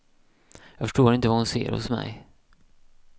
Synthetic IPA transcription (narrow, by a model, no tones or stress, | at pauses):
jɑːɡfœ̥ʂʈoːɾɪnt̪əvahʊnsḛːɾhʊ̰smɛ̰j